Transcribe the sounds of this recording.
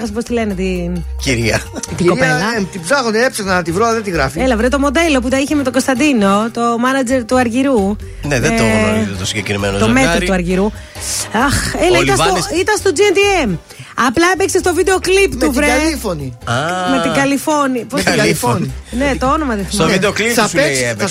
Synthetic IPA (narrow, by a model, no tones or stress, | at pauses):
ɣɐspo̞st̪ile̞net̪iciɾɐt̪ikoɐelɐt̪ibzɐɣoniepseɣnɐt̪ivɾoɐðet̪iɣɾɐfielɐvɾet̪o̞mo̞d̪e̞lo̞p̬ut̪ɐiçeme̞t̪o̞ɡo̞st̪ɐnd̪ino̞t̪omɐnɐd͡ze̞ɾt̪uɐɾʝiɾu | neðeot̪osiɲɟekɾimenot̪omet̪ɾot̪uɐɾʝiɾu | ɐxelɐit̪ɐsosit̪ɐst̪od͡ziend̪iem | ɐplɐepeksest̪ovid̪e̞o̞klipt̪uvɾeɐllifoniɐmet̪iɡɐlifo̞nipost̪ɡɐlifoninet̪oono̞mɐt̪ifoovid̪eokliɐpes